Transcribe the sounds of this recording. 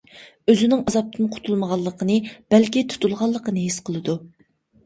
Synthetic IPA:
øzɪnɪŋɑzɑp̚t̪ʰɨnqʰʊ̥t̪ʰulˠməʁɑlˠːəqʰənɨb̥ælkʲit̪ʰu̥t̪ʰulˠʁɑlˠːəqənɨɦesqʰəlˠɨd̪u

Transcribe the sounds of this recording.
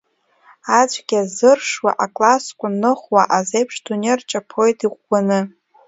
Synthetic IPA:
at͡ʃʷʰʼɡʲazɨrʂwa̰ʔakʼlaskʷʼʊnːɨχwaʔazejpʰʂdunert͡ʃʼapʰo̞jtʼiʁʷɡʷanɨ

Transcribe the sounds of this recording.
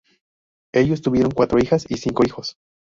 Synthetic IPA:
e̞ʝos̬t̪uβje̞ɾo̞ŋkwat̪ɾo̞ixasisiŋko̞ixo̞s

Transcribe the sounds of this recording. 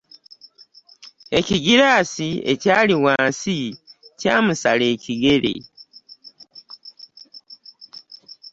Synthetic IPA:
eciɡiɾaːsiḛcaːliwaːnsicaːmusaleːciɡeɾḛ

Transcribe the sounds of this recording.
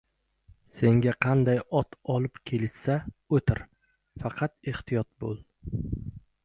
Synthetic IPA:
se̞ŋɡʲaqʰɑnd̪ajɒt̪ʰɒlɪpkʲʰe̞lɪʃsaɵt̪ʰɪɾ | fɑqʰɑt̪eht̪ʰɪjɒt̪̚bolˠ

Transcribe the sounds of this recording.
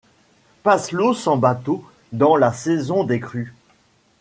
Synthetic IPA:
paslosɑ̃bat̪o | d̪ɑ̃lasɛzɔ̃d̪ekχy

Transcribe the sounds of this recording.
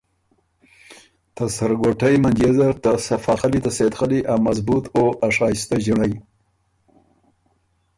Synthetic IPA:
t̪asaɾɡoʈajmand͡ʒezaɾt̪asafɑxalit̪aset̪xaliʔawmazbut̪oʔaʂɑːst̪aʒɪɳaj

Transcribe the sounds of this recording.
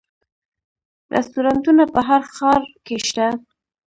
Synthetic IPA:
ɾʔɪ̰st̪uɾɑnt̪unapəɦaɾxɑɾkeʃt̪a

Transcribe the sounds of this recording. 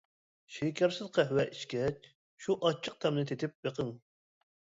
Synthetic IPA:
ʃekʲʰɛɾsɨzqʰæɦwɛʔiʃkʲɛt͡ʃ | ʃuʔɑt͡ʃʰːɨq̚t̪ʰɛmnɪt̪ʰet̪ʰɪp̚beqʰəŋ

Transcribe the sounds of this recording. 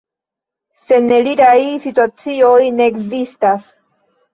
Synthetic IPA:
se̞neliɾajsituat͡sio̞jne̞ːkzistas

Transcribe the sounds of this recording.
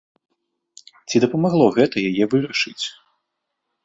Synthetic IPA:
t͡sʲid̪ɐpɐmaɣlˠɔɣɛt̪ɐjajɛvɨɾɐʂɨt͡sʲ

